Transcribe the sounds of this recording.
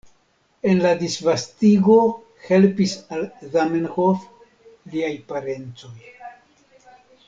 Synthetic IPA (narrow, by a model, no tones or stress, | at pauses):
e̞nladisvastiɡo̞ | he̞lpisalzamenhof | liajpaɾe̞nt͡so̞j